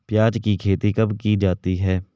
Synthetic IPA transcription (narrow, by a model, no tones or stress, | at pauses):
pjaːd͡ʒkikʰeːt̪ikɐbkid͡ʒaːt̪iɦɛː